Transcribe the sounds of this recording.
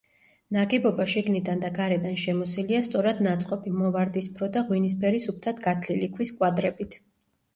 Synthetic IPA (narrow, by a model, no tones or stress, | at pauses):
naɡɛbɔbaʃiɡnid̪and̪aɡaɾɛd̪anʃɛmɔsiliast̪sʼɔɾad̪nat̪sʼqʼɔpimɔvaɾd̪ispʰɾɔd̪aʁwinis̬bɛɾisup̚ʰt̪ʰat̪ɡat̪ʰlilikʰwiskʼwad̪ɾɛbit̪ʰ